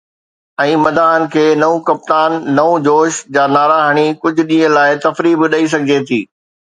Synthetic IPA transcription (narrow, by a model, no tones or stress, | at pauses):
ɛ̃ːmɐd̪ʱaːɦənɪ̆kʰeːnɐũkɐp̚t̪aːnːɐũd͡ʑoːʃd͡ʑaːnaːɾaːɦəɽ̃ikʊd͡ʑʱʊ̆ɗĩːə̃laːɪt̪ɐfɾiːbɪɗɐis̬ɐɡʱɪd͡ʑet̪ʰiː